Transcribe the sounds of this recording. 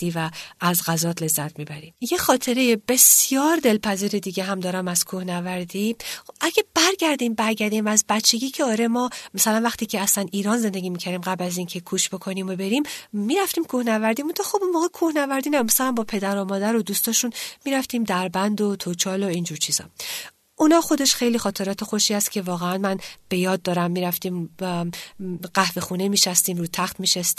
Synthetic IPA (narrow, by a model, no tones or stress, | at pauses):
iːvæːzɡæzɒːt̪ʰle̞zːæt̪̚ʰmiːbæɾimjexɒːt̪ʰe̞ɾe̞jebe̞sjɒːɾd̪e̞lpʰæziːɾed̪iːɟeɦæmd̪ɒːɾæmæz̥kʰuhnævæɾd̪iːʔæɡʲeb̥æɾɡæɾd̪iːmbæɾɟæɾd̪iːmæzbæt̪t͡ʃʰːe̞ɡʲiːcʰeɒːɾe̞mɒːmæsælænvæχt̪iːcʰeæslæniːɾɒːnze̞nd̪e̞ɡiːmicʰæɾiːmɡæblæziːncʰe̞kʰuːʃb̥o̞kʰo̞niːmo̞be̞ɾimmːiːɾæft̪iːmkʰuhnævæɾd̪imunt̪ʰɒxobunmoːɣekʰuhnævæɾd̪iːnæmæsælæmbɒːpʰe̞d̪æɾomɒːd̪æɾod̪uːst̪ɒːʃunmiːɾæft̪iːmd̪æɾbænd̪ot̪ʰot͡ʃʰɒːlo̞ind͡ʒuːɾt͡ʃʰiːz̥ɒ̰ | ʔunɒːxo̞d̪e̞ʃxe̞jliːxɒːt̪ʰe̞ɾɒːt̪ʰexoʃiːhæst̪̚kcʰe̞vɒːɣeænmænb̥e̞jɒːd̪̚dːɒːɾæmːiːɾæft̪iːm | ɢæhve̞xunemiːʃæst̪iːmɾuːt̪ʰæxt̪miʃæst̪